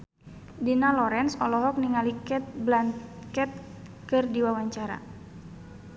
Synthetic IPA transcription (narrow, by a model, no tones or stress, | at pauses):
dinalɔɾɛnsɔlɔɦɔk̚niŋalikɛt̪̚blankɛt̪̚kɨrdiwawaɲt͡ʃaɾa̰